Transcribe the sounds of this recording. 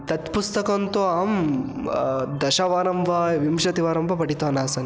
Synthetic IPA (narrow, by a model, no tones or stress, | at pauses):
t̪ɐt̪pust̪ɐkɐnt̪oaːm | d̪ɐʃɐʋaːɾɐmbʱɐʋimʃɐt̪iʋaːɾɐmbʱɐpɐʈit̪aːnaːsɐni